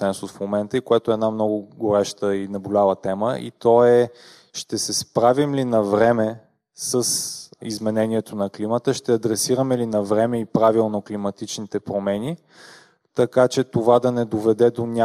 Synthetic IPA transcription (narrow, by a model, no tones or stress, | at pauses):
ɛnsʊsfmomɛnt̪əikoɛt̪oɛd̪namnɔɡʊɡoɾɛʃt̪əinɐbolʲavˠət̪ɛməʔḭt̪ɔɛ | ʃt̪ɛsɛspɾavimlinɐvɾɛmɛ | səsizmɛnɛniɛt̪onɐklimət̪əʃt̪ɛɐd̪ɾɛsiɾəmɛlinɐvɾɛmɛipɾavilˠnoklimɐt̪it͡ʃnit̪ɛpɾomɛnʲi | t̪ɐkat͡ʃɛt̪ovad̪ɐnɛd̪ovɛd̪ɛd̪onʲa